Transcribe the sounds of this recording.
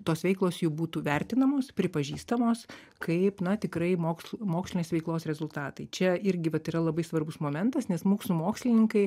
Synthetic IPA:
t̪oːsʋʲɛɪklˠoːsjuːbuːt̪uːʋʲɛɾʲt̪ʲɪnɐmoːspʲɾʲɪpɐʒʲiːst̪ɐmoːs | kɐɪpnɐt̪ʲɪkɾɐɪmoːksmoːksʲlʲɪnʲeːsʋʲɛɪklˠoːsɾʲɛzʊlˠt̪ɑːt̪ɐɪt͡ʃʲɛɪɾʲɡʲɪʋɐt̪iːɾɐlˠɐbɐɪsʋɐrbʊsmoːmʲɛnt̪ɐsnʲɛsmuːksumoːksʲlʲɪnʲɪŋkɐɪ

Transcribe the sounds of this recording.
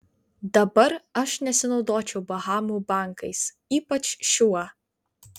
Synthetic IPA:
d̪ɐbɐɾɐʃnʲɛsʲɪnɒʊd̪oːt͡ʃʲɛʊbɐɦɑːmuːbɑˑŋkɐɪs | iːpɐt͡ʃʃʲuɐ

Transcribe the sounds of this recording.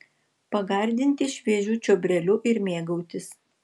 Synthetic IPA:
pɐɡɐˑɾʲd̪ʲɪnʲt̪ʲɪʃʲʋʲiɛʒʲuːt͡ʃʲoːbʲɾʲɛlʲʊʔɪɾmʲeːɡɐʊt̪ʲɪs

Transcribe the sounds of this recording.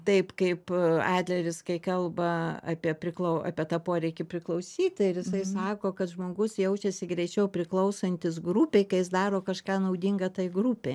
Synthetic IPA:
t̪ɐɪpkɐɪpɑːd̪ʲlʲɛɾʲɪskɐɪkɐlˠbɐɐ̰ːpʲiɛpʲɾʲɪklˠɐʊɑ̰ːpʲiɛt̪ɑːpoːɾʲɛɪkʲɪpʲɾʲɪklˠɐʊsʲiːt̪ʲɪɾjɪsɐɪsɑːkoːkɐt̪ʒmoːɡʊsjɛʊt͡ʃʲɛsʲɪɡɾʲɛɪt͡ʃʲɛʊpʲɾʲɪklˠɐʊsɐnʲt̪ʲɪsɡruːpʲeːɪkɐɪjɪs̬d̪ɑːɾoːkɐʃkɑːnɐʊd̪ʲiŋɡɐt̪ɐɪɡɾuːpʲe

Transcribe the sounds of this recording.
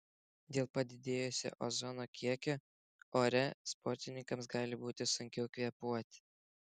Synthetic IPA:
d̪ʲeːlˠpɐd̪ʲɪd̪ʲeːjosʲɛ̰ʔozɔnoːkʲʰiɛkʲo | oːɾʲɛspɔɾʲt̪ʲɪnʲɪŋkɐmsɡɑːlʲɪbuːt̪ʲɪsʊŋʲkʲɛʊkʲʋʲiɛpuɔt̪ʲɪ̥

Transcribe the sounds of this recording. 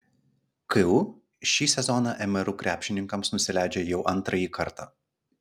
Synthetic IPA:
kɪ | ʃʲiːsʲɛzɔnɑʔɛmʲɛɾukɾʲʔæːpʲʃʲɪnʲɪŋkɐmsnʊsʲɪlʲæˑɪd͡ʒʲejɛʊʔɐnt̪ɾɐjiːkʰɐɾt̪ɑ̰ː

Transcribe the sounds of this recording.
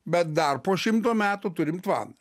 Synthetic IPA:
bʲɛt̪̚d̪ɐrpoːʃʲɪmt̪oːmʲæːt̪ut̪ʊɾʲɪmt̪ʋɑ̰ːnɐ

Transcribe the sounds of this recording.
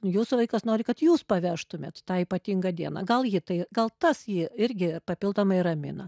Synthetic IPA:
juːsʊʋɐɪkɐsnoːɾʲɪkɐt̪juːspɐʋʲæːʃt̪ʊmʲeːt̪t̪ɑːiːpɐt̪ʲiŋɡɐd̪ʲiɛnɐ̰ɡɐlˠjɪt̪ɐɪɡɐlˠt̪ɐsjiɪɾʲɡʲɪpɐpʲɪlˠd̪oːmɐɪrɐmʲɪ̰nɐ

